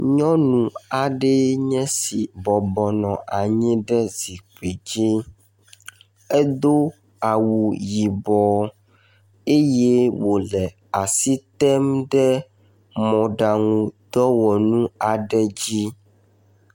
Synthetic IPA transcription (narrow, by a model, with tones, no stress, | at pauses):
ɲɔ̃˦nũ˨a˨ɖɛ˦ɲɛ̃˦si˨bɔ˨bɔ˨nɔ̃˨ʔa˨ɲĩ˦ɖɛ˦zi˨k͡pe˨d͡ʑi˦ | e˦d̪o˦ | a˨wu˨ji˨bɔ˨ | e˦je˦wo˨lɛ˨ | a˨si˦t̪ɛ˦mɖɛ˦ | mɔ̃˨ɖa˨ŋũ˨d̪ɔ˦wɔ˨nũ˦a˨ɖɛ˦d͡ʑi˦